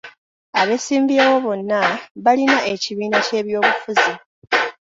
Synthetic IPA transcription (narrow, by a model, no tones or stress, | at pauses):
aβe̞siːmbiewo̞βo̞nːaβalinae̞ciβiːnace̞ːβjo̞ːβufuzi